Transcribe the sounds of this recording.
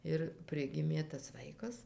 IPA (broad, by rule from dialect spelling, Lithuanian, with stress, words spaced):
ɪr ˈpʲrʲɪɡʲɪmʲeː tɐs ˈʋɐɪkɐs